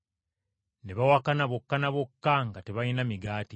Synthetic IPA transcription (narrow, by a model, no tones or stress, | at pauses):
ne̞βawakanaβo̞kːanaβokːaŋɡate̞βajinamiɡaːti